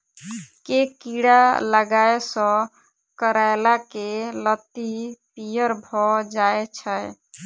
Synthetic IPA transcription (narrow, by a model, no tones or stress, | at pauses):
kekiɽaləɡaesɔ̃ | kəɾaelakelət̪ipijəɾbʱɔd͡ʒaet͡ʃʰəj